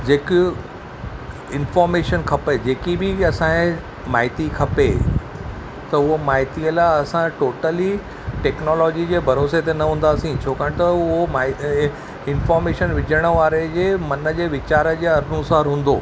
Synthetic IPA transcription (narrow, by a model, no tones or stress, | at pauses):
d͡ʑeːkɪ | ɪnfɔːɾmeːʃənkʰɐped͡ʑeːkibɪɐsã | maːɦɪt̪ikʰɐpḛ | t̪ɐʊɦomaːɦɪt̪iəlaɐsãʈoːʈəli | ʈeːknɔːlɔːd͡ʑid͡ʑeːbʱɐɾoːset̪enɐɦũːnd̪aːsĩt͡ɕʰoːkaːɽ̃t̪ɐʊʊɦomaː | ɪnfɔːɾmeːʃənʋɪd͡ʑʱəɽ̃ə̆ʋaːɾed͡ʑeːmɐnə̆d͡ʑeːʋɪt͡ɕaːɾə̆d͡ʑeːɐɾnusaːɾɦũːn̆d̪oː